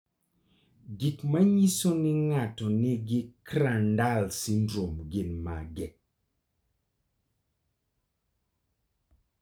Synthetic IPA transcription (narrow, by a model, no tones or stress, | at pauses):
ɡikmaɲisonɪŋatɔnɪɡɪkɾandalsindɾomɡɪnmaɡɛ